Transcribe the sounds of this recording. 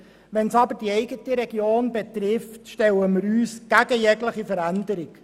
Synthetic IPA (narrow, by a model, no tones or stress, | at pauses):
ʋɛnsɑbəɾd̥iɛɪɡətəɾɛɡjoːnbet̪ɾɪftʃtɛləməɾyːsɡ̥æɡəjɛɡləχifəɾænd̪əɾɪk